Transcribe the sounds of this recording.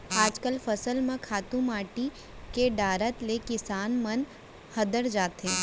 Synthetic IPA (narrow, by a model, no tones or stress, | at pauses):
aːd͡ʒkəlfɐsəlmẽkʰaːt̪ũmaːʈi | keɖaːɾət̪lekɪsaːnmɐn | hɐd̪əɾd͡ʒaːt̪ɦẽː